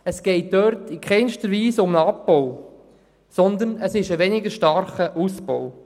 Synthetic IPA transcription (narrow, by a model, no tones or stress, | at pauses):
əsɡ̥ɛɪt̚d̥øɾt̪ikʰχɛɪnʃtəɾʋiːsʊməɑpːow | sɔnd̪ənəsɪʃəʋɛnɪɡəʃtɑɾχəʔuspɔw